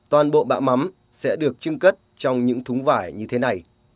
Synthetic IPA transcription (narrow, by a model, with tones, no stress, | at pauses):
t̪waː˨˩nɓo̰˧˨ɓa̰ː˧˨ma˨˦m | sɛ̰˧˥ɗɨ˨˩ək̚t͡ɕɨ˧ŋkə˦˥t̚t͡ɕɔ˧wŋ͡mɲɨ̰˧˥ŋt̪ʰʊ˨˦ŋ͡mvaː˧˩jɲɨ˧t̪ʰe˨˦na˨˩j